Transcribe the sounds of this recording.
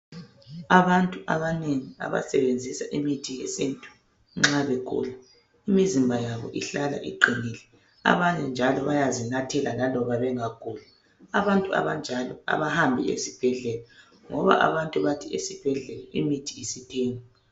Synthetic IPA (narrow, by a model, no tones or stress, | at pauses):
aβantʼuʔaβaneŋia̰βa̰sɛβend͡zʱisaʔimitʰijesintʼu̥ | ŋ͡ǁaβeɡ̥ʱṵla | imizimbʱajaβɔ̰ʔiɬala̰ʔḭǃʱinilɛ | a̰βaɲɛnd͡ʒʱalɔβajazinatʰɛlalalɔβaβɛŋaɡ̥ʱuːla | aβantʼua̰βand͡ʒʱalɔ̰a̰βahambʱiḛsib̥ʱɛɮɛla | ŋɔβa̰ʔa̰βantʼuβatʰiesib̥ʱɛɮɛlɔʔimitʰiːsitʰeːŋi